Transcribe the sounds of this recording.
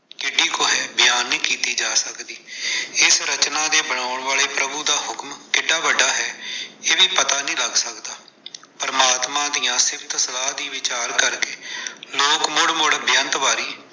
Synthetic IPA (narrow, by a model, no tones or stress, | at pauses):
kɪɖiːkoːɦɛːbɪjaːnːĩːkiːt̪iːd͡ʒaːsəkd̪iːɪsɾət͡ʃnãːd̪eːbəɽ̃aːʊɳʋaːɭeːpɾəbuːd̪aːɦʊkmkɪɖːaːʋəɖːaːɦɛːeːʋiːpət̪aːnĩːləɡsəkd̪aː | pəɾəmaːt̪mãːd̪ijãːsɪbt̪səlaːd̪iːʋɪt͡ʃaːɾkəɾkeːloːkmʊɽmʊɽbjənt̪ʋaːɾiː